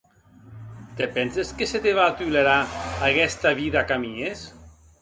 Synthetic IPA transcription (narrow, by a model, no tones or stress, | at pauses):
t̪epɛnseskeset̪eβat̪yleɾaaɣɛst̪aβiðakamiɲes